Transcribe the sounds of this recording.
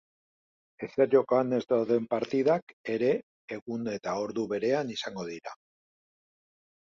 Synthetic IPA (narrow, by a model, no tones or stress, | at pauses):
e̞seɾʝo̞koane̞zd̪awðe̞mpaɾt̪iðake̞ɾe̞ː | ɣune̞t̪ao̞ɾðuβe̞ɾe̞anisaŋɡo̞ðiɾa